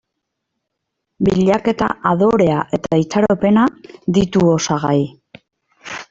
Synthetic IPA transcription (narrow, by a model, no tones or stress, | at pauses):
biʎake̞t̪a̰ʔaðo̞ɾe̞aʔe̞t̪ait͡saɾope̞naðit̪uo̞saɣaj